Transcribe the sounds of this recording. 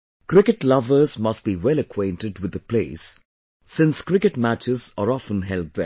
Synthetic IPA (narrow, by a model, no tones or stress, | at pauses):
kɾɪkɨʈlʌvəzmʌsʈ̚biwɛləkʰwẽɪ̃nʈɪɖwɪd̪əpleɪsː | ɪ̃nskɾɪkɨʈmæt͡ʃɪzəɾɔfə̃nɦɛlb̚ðə̰